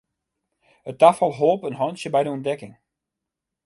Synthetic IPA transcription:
ətafəlˠɦolˠpənɦɔjnsjəbɛjdəɔndɛkɪŋ

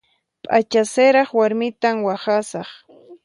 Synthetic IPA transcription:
pʼat͡ʃasɪɾɑχwaɾmɪt̪amwaχasɑχ

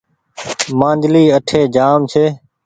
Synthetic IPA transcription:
mãːnd͡ʒliːəʈʰeːd͡ʒaːmt͡ʃʰeː

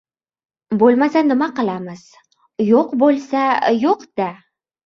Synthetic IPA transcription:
bolˠmasanːɪmaqɨ̆lˠɑməz̥ | joqbolˠsajoqd̪̥a

